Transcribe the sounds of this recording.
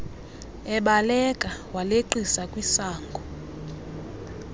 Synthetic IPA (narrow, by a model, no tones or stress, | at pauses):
ɛɓalɛkʼawaleǃisakʼwisaːŋɡʱɔ